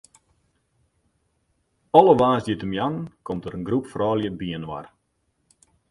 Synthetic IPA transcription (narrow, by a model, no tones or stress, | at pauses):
ɔləʋaːzdjətəmjankɔmtəɾənɡrupfrɔːljəbiənwa̰r